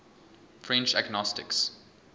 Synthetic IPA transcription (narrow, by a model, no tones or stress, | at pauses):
fɹɛ̃nt͡ʃaɡnɔstɪ̰ks